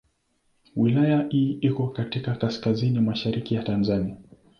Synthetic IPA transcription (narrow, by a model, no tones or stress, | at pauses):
wilajaʔiːikɔkatikakaskazinimaʃaɾikijatanzania